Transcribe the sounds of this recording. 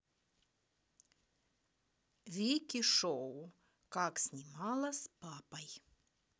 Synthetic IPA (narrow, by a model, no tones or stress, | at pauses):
vʲikʲiʃɔ | kɑːksʲnʲimɑːlˠɐspɑːpɐj